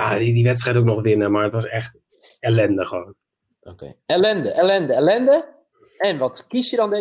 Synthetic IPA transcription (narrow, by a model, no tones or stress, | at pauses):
jadidiʋɛtstrɛjtok̚nɔxʋɪnəmarətʋɔsɛxt | ɛlɛndəxəʋoːn | ʔokḛɛlɛndəʔɛlɛndəɛlɛndə | ɛnʋɔtkisjədɔnde